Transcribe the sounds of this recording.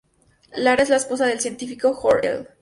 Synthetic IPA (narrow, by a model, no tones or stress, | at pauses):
laɾezlaespo̞saðe̞lsje̞nt̪ifiko̞xoɾḛl